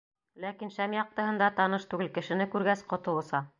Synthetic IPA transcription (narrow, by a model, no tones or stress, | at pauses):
lækinʃæmjɑq̚t̪ɤ̆hɤ̆nd̪ɑt̪ɑnɤʃt̪ʉɡɘlkɘ̆ʃɘ̆nɘkʉɾɡæsqŏt̪ɤ̆lˠɤ̆sɑ